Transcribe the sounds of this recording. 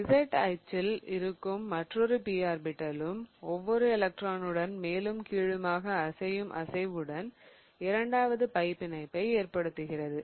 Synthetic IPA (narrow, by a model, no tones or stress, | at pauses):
ɪsɛʈɐ̰ɪt͡ʃːɪlɪɾɯkːɯmːɐʈrɔɾɯpiːaːɾbɪʈːɐlɯmɔʋːɔɾɯɛlɐk̚ʈraːnɯɽɐnmeːlɯmkiːɻɯmaːɣɐːsɐjɯmʔɐ̰sɐɪʋɯɽɐn | ɪɾɐɳɖaːʋɐðɯpɐɪpːɪnɐɪpːɐɪeːɾpɐɽɯt̪ːɯɣɪrɐðɯ